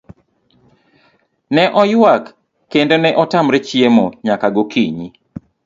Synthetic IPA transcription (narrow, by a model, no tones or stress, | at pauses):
nɛʔɔjwakː | endonɛʔɔtamɾɛt͡ʃiemoɲakaɡokiɲi